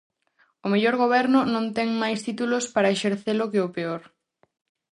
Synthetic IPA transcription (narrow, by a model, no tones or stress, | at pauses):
ʊmeʎoɾɣoβ̞ɛɾnʊnõnt̪ɛŋmajst̪it̪ulʊspaɾɐeʃeɾθelʊkɪʊpeoɾ